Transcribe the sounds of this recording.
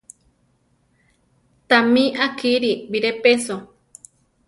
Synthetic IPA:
t̪amĩʔakiɾibiɾepeso

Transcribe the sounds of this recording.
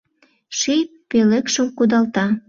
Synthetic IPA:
ʃij | pelekʃə̆mkud̪ɑlt̪ɑ

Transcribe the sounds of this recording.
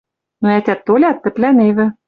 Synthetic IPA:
noæt̪ʲæt̪ːolʲɑt̪ːɘ̆t̪lʲænevɘ̆

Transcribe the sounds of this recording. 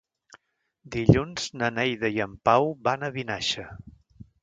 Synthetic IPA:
d̪iʎunz̥nənɛjðəjəmpawβanəβinaʃə

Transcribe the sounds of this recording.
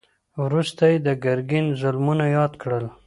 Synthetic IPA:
wɾust̪ajed̪əɡaɾɡɪnzʊlmunajɑd̪kɽəl

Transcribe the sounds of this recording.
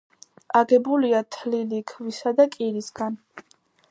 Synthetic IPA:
ʔaɡɛbuliat̪ʰlilikʰvisad̪akʼiɾisɡan

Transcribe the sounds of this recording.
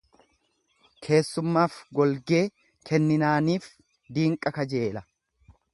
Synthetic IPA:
kʰe̞ːsːʊmːaːfɡɔlɡe̞ː | kʰɛnːɪnaːniːf | d̪iːŋkʼɐkɐd͡ʒe̞ːlɐ

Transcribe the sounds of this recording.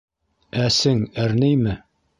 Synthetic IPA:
æsɘŋæɾnijmɘ

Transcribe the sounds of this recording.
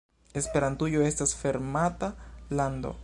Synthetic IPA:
e̞spe̞ɾantujoe̞stasfe̞ɾmatalando̞̰

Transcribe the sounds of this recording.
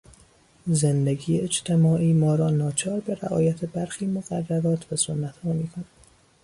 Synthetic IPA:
zend̪eɡiːeed͡ʒt̪ʰe̞mɒːʔiːmɒːɾɒːnɒːt͡ʃʰɒːɾbe̞ɾæʔɒ̰ːjæt̪ʰebæɾxiːmoɣærːæɾɒːt̪ʰbesonːæt̪ʰmuːmiːkʰonæ̥

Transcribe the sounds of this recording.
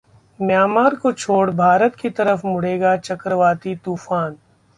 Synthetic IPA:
mjaːmaːɾkot͡ʃʰoːɽbʱaːɾət̪kit̪ɐɾəfmʊɽeːɡat͡ʃɐkɾəʋaːt̪it̪uːfaːn

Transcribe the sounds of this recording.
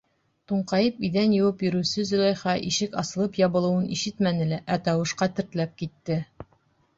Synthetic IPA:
t̪uɴqɑjɤpiðænjɤ̆wɤpjɵ̆ɾɘ̆wsɘzɵ̆lˠɑjχɑʔiʃɘkɑsɤ̆lˠɤpjɑβbɤ̆lˠɤ̆wɤnʔiʃɘt̪mænɘ̆læʔæt̪ɑwɤ̆ʃqɑt̪ɘ̆ɾt̪læp̚kit̪ːɘ

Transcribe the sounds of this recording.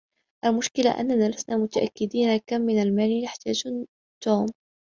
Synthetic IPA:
ʔalmʊʃkɪla̰ʔa̰nːanaːlasnaːmʊt̪aʔa̰kːɪd̪iːnakamːɪnalmaːlinaħt̪aːd͡ʒ | t̪uːm

